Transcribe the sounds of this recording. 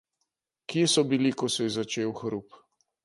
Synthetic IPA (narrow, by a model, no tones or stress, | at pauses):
kiesɔbilikɔsɔjɛzat͡ʃeːwxɾup